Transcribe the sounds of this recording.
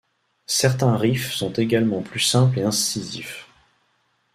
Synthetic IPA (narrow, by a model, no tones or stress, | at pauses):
sɛʁt̪ɛ̃ʁifsɔ̃t̪eɡalmɑ̃plysɛ̃pleɛ̃sizif